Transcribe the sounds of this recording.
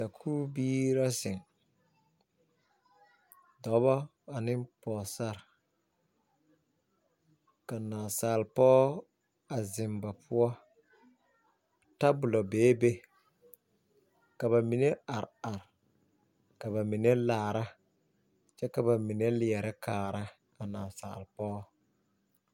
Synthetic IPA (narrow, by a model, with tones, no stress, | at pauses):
ta˨kʰuː˦biː˦ɾa˦sɪ˨ŋ | dɔ˨˦βɔ˦ | a˨nɪ˦mpɔː˨sa˦˨ɾ | ka˨naː˨saː˨lpɔː˦ | a˨zɪ˨mba˨pʰʊ˦ɔ˦ | ta˦bʊ˨lɔ˨beː˨˦be˦ | ka˨βa˨mi˨ne˦a˨ɾa˨ɾ | ka˨βa˨mi˨ne˦laː˨ɾa˦ | t͡ʃɛ˦ka˨ba˨mi˨ne˦lɪ˨ɛ˨ɾɪ˦kʰaː˨ɾa˦ | a˨na˨sa̰˨lpɔː˦